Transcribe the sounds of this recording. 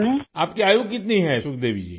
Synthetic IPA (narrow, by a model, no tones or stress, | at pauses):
aːp̚kiaːjokkːɪt̪niɦɛsʊk̚d̪eːʋid͡ʒḭː